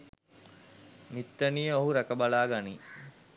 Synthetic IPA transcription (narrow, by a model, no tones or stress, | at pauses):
mit̪ːənijəoɦuɾækəbalaːɡani